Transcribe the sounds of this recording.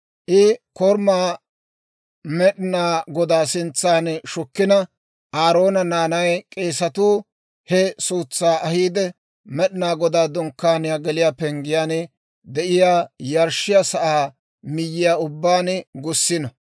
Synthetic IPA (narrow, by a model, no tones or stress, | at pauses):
ʔɪkɔɾmaː | mɛɗnaːɡɔd̪aːsɪnt͡sːaːnʃʊkːɪnɐ | ʔaːɾo̞ːnɐnaːnɐjkʼe̞ːsɐt̪uː | hɛsuːt͡sːaːʔɐhiːd̪ɛ | mɛɗɪnaːɡɔd̪aːd̪ɔŋkːaːnɪjaːɡɛlɪjaːpɛŋɡɪjaːn | d̪ɛʔɪjaːjɐɾʃɪjaːsɐʔaː | mɪjːɪjaːʊbːaːnɡʊsːɪnɐ